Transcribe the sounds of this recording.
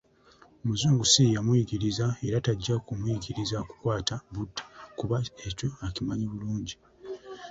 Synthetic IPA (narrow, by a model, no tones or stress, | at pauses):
omuzuːŋɡusijamwiːɡiɾizae̞ɾataɟːakumwiːɟiɾizaku̥kwaːtabudːḁkuβae̞co̞acimaɲiβuluːɲɟi